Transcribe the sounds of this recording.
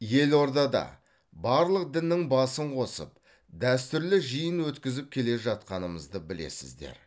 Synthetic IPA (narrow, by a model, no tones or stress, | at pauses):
je̞lo̞ɾd̪ɑd̪ɑ̰ | bɑɾlˠəq̚d̪ɪnːɪŋbɑsəɴqʰo̞sə̰p̚ | d̪æst̪ʏɾlɪʒijənwɵt̪kʲɪzɪp̚kʲʰe̞le̞ʒɑt̪̚qɑnəməzd̪əbɪle̞̰sɪ̰zd̪e̞̰ɾ